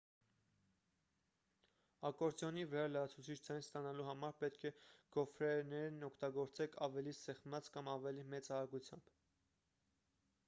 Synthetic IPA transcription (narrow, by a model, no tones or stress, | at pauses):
ɑkɔɾt͡s̪jɔnivɛɾɑləjɑt͡sʰut͡sʰit͡ʃʰd͡zɑnst̪ɑnɑluɦɑmɑɾpɛt̪̚kʰɛɡ̥ɔfɾɛnɛɾnɔkʰt̪ɑɡɔɾt͡sɛkʰɑvɛlisɛχmɑt͡skɑmɑvɛlimɛt͡sɑɾɑɡut͡sʰjɑmb̥